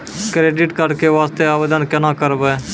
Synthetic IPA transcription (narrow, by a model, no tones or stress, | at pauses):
kɾeːɖɪʈkəɾkeːʋaːst̪eːaːʋəd̪ənkənãːkəɾbeː